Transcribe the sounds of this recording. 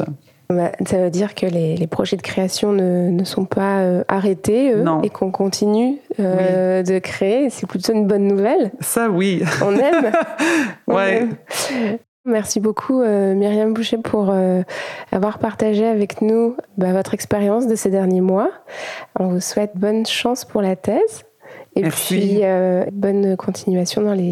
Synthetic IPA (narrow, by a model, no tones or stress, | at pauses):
basavød̪iʁkʰəlelepχɔʒɛd̪əkχeasjɔ̃nənəsɔ̃paøaʁet̪eø̃ekʰɔ̃kɔ̃t̪ʰinyød̪əkχeesɛplyt̪oynbɔnːuvɛlsawiɔ̰̃nɛm | ɔ̃ɛɛm | mɛʁsibokʰuømiʁjambuʃepʰuʁøa̰vwaʁpaʁt̪aʒeavɛknubavɔt̪χɛkspeʁjɑ̃sd̪əsed̪ɛʁnjemwa | ɔ̃vuswɛt̪̚bɔnʃɑ̃spuʁlat̪ɛz | epɥiøbɔnkʰɔ̃t̪ʰinɥasjɔ̃d̪ɑ̃le